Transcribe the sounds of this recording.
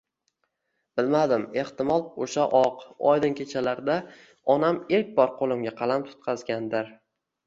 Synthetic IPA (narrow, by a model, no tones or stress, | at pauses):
b̥ɪlmad̪ɪme̞ht̪ɪmɒlˠoʃaʔɒqɒ̰jd̪ɪnkʲʰe̞t͡ʃʰalaɾd̪a | ɒnameɾk̚ʲbɒɾqʰolˠɪmɡʲaqʰɑlˠamt̪ʰʊ̥t̪̚qʰɑzɡʲand̪ɪɾ